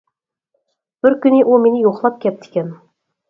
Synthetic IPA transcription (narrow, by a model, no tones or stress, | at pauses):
b̥ɘɾkɵ̆niʔulˠminijuχlˠɑp̚kʲæp̚d̪i̥kʲæn